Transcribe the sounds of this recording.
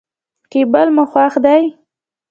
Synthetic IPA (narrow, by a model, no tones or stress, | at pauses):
kebəlməxwaxd̪aj